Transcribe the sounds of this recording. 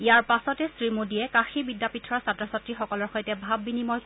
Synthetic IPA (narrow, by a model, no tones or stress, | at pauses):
ijaɹpasɔtɛsɹimodijɛkaxibidːapitʰːɔɹaɹsatɹɔsatɹixɔkɔlɔɹxɔjtɛbʱabːinimɔj